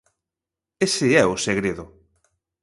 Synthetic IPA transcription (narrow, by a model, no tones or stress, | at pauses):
esɪɛʊseɣɾeðʊ